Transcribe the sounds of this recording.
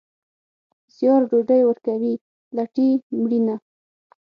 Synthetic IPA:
z̥jɑɾɖoɖajwəɾkawi | laʈimɽina

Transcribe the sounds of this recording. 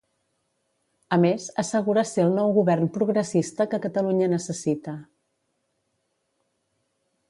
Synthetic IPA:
əmezəsəɣuɾəseəlˠnɔwɣuβɛrnpɾuɣɾəsist̪əkəkət̪əluɲənəsəsit̪ə

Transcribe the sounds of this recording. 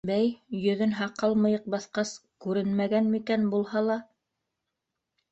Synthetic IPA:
bæjjɵ̆ðɘnɦɑqɑlˠmɤ̆jɤq̚bɑθqɑskʉɾɘnmæɡænmikænbulˠhɑlˠɑ

